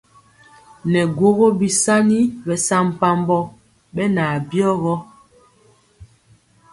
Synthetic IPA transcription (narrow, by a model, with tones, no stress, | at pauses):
nɛ˨ɡwo˦ɣo˦bi˨sa˦ni˦bɛ˨sa˦m̩˨pa˨mbɔ˦ | ɓɛ˦na˨bjɔ˦ɣɔ˦